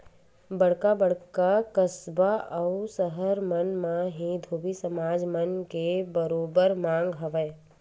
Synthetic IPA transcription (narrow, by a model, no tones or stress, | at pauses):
bəɽkabəɽkakəsbaʔəwsəɦəɾmənmãɦĩd̪ʱoːbisəmaːd͡ʒmənkebəɾoːbəɾmãːŋɡɦəʋəː